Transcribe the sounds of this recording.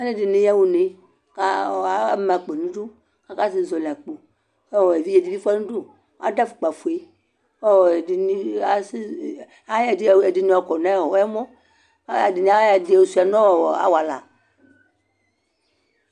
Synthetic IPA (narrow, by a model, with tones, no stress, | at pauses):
a˦ne˦de˨ne˦ja˦wu˨ne˨ | ka˦˨a˨˦m˨a˨k͡pe˨nũ˦du˦ | ka˦ka˦si˦˨zɔ˨le˨a˨k͡po˨ | ɔ˦wɔ˨e˨vi˦e˨di˨vi˦fa˦nũ˦do˦ | a̰˦da˦fu̥˨k͡pa˨fu˨e˨ | ɔ˦wdi˨ni˦a˦s | a˦a˨de˨di˨ne˦˨ɔ˨kɔ˨nã˦˨ɔ˨wɛ˦mɔ˦ | a˨di˨n˨a˦a˨di˨wo˨su˨a˨nɔ̃˦wɔ˨wɔ˨a̰˨wa˨la̰˨